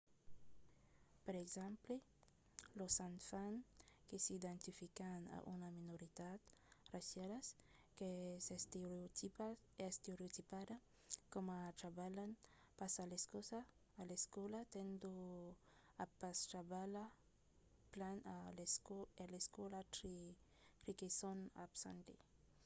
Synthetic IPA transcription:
peɾeɡzɛ̃mple | losanfankesid̪ẽnt̪ifikana̰ʔṵnaminoɾid̪at̪rasjalaskesest̪eot̪ipa | est̪eɾeot̪ipad̪a | komat̪ɾabalan | pasaleskosaː | leskɔlat̪end̪o | apast̪ɾabala | planalseleskɔlatɾi | ɾikesona̰bsa̰nt̪e

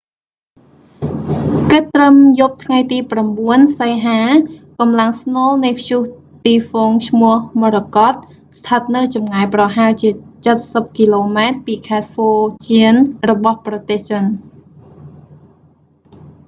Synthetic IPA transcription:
kɨt̪ːrəmjup̚t̪ʰŋajt̪iːpramɓuənsəjɦaːkɑmlaŋsnŏəlnɨjpʰjuh | t̪iːfɔːŋt͡ɕʰmʊ̆əhmoɾəkɑt̪̚ | st̪ʰət̪̚nɨwt͡ɕɑmŋaɛprɑɦalt͡ɕiət͡ɕət̪̚səp̚kiːloːmaɛt̪̚piːkʰaɛt̪̚foːt͡ɕiənrɔɓɑhprɑt̪eːht͡ɕən

